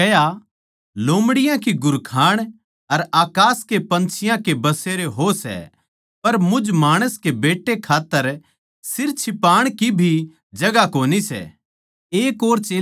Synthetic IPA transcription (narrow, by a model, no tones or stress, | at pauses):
ɐja | loːmɽɪjãkiɡʊɾkʰaːɽ̃ | ɐɾaːkaːskepɐ̃nt͡ʃʰɪjãkebɐseːɾeɦosɛ̰ | pɐɾmʊd͡ʒmaːɽ̃əskebeːʈːekʰaːt̪ːəɾ | sɪɾt͡ʃʰɪpaːɽ̃kibʱi | d͡ʒɐɡakoːnisɛ̰ | eːkoːɾt͡ʃeː